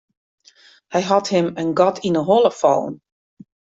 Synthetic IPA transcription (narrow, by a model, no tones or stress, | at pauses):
hajɦɔthɪmənɡɔtʰinəɦɔlˠəfo̰wn